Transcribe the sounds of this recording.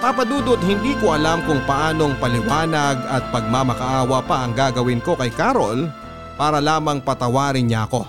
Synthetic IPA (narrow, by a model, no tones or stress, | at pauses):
papɐd̪uːd̪oʔod̪̚hɪnd̪iːkoʔɐlamkʊŋpɐʔaːno̞ŋpɐlɪwaːnɐɡɐt̪̚pɐɡ̚mamɐkɐʔaːwɐpaʔɐŋɡaːɡɐwɪnko̞kɐjkaːɾol | paːɾɐlaːmɐŋpɐt̪ɐwaːɾɪnɲaʔɐko̞